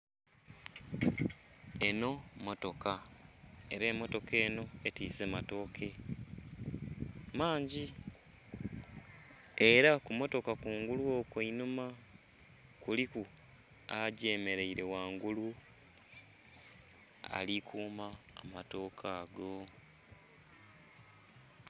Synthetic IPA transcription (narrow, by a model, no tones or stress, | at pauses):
e̞no̞mo̞to̞ka | e̞ɾeːmːo̞to̞ke̞ːno̞etiːseːmato̞ːkʰe̞ | maːɲɟi | eɾakumo̞to̞kakuːŋɡuluo̞keinuma | kuliku | aɟeme̞ɾe̞iɾe̞waːŋɡulu | a̰likʰuːmaːmato̞ːkʰaːɡo̞